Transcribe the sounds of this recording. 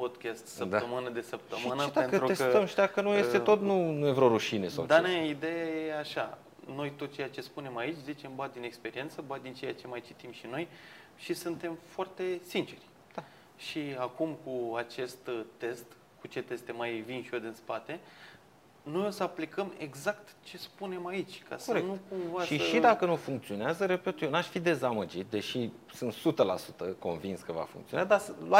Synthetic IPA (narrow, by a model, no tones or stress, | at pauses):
pod̪kʲast̪səppt̪aəmɨnəd̪e̞səp̚t̪əʃmɨnəpd̪aenəɾuest̪əmʃt̪akənujest̪eo̞t̪nunujevɾoɾuʃinesa̰d̪aneid̪e̞jajeeaʃa | no̞jt̪ot̪̚t͡ʃejat͡ʃe̞spune̞mait͡ʃʲzit͡ʃe̞mbad̪ine̞kspe̞ɾie̞nt̪səbad̪int͡ʃe̞jat͡ʃe̞majt͡ʃit̪imʃino̞j | ʃisɨnt̪e̞mfoart̪e̞sint͡ʃe̞rʲ | d̪̥a | ʃiakumkuat͡ʃe̞st̪t̪e̞st̪ | kut͡ʃe̞t̪e̞st̪e̞majvinʃiod̪ɨnspat̪e̞ | no̞jo̞səaplikəme̞̰ɡzakt̪t͡ʃe̞spune̞mait͡ʃʲkʰa̰skoəɾeknukumvasʃiəʃid̪akənufuŋkt̪sio̞neazəɾepet̪ujonaʃfid̪e̞zaməd͡ʒit̪̚d̪e̞ʃi | sɨnt̪sut̪əla̰sut̪əko̞nvinskəva̰fṵŋk̪t̪ionad̪asla